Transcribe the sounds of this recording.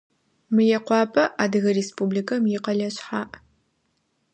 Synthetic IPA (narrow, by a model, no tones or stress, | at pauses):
mɨjɛqʷɑːpʰʼɐʔaːdɨɣɐreːspuːblikʰɐmjɪqɐɮɐɕħaːʔ